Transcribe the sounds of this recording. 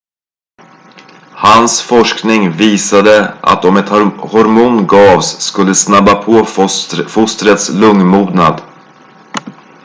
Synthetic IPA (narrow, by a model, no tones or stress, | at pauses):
hansfɔʂknɪŋviːsad̪əʔa̰t̪ɔmɛt̪hɔɾmuːnɡɑːvsːkɵlːəsnabapʰoːfʊst̪ɾət̪slɵŋmuːd̪na̰d̪